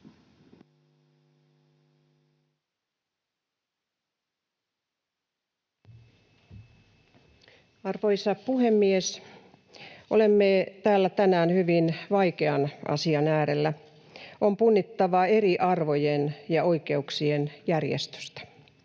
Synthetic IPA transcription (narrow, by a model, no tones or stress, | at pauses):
ɑrʋoisɑpuhemːies | ʔo̰lemːeːt̪æːlːæt̪ænæːnhyʋinʋɑikeɑnʔɑ̰siɑnæːɾelːæ | ʔompunːit̪ːɑʋɑeriʔɑrʋojenjɑoike̞uksienjærjḛst̪ø̥st̪æ̥